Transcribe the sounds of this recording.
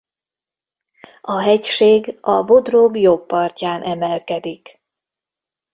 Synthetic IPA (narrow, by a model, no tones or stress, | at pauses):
ɒɦɛcʃeːɡɒvo̞d̪robjobːɒrcaːnʔɛmɛlkɛd̪ik